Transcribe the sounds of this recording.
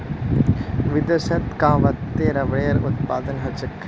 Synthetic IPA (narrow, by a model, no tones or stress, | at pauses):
ʋɪd̪ɐsɐt̪kãːʋɐt̪ːeːɾɐʋɽeːɾʊt̪̚pa̰ːd̪ənɦɐt͡ʃɐkʰː